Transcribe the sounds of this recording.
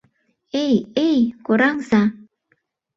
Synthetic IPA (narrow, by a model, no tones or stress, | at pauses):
ejejkoɾaŋsa